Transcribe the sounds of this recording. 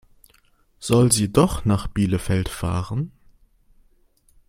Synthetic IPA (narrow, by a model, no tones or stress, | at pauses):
z̥ɔlziːdɔχnaːχb̥iːləfɛltfa̰ːʁən